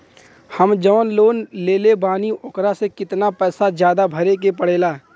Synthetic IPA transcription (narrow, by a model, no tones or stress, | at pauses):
həmd͡ʒəʋnloːnleːlebaːniʔʊkɾasekɪt̪napɛːsad͡ʒjaːd̪abʱəɾekepəɽ̤eːlaː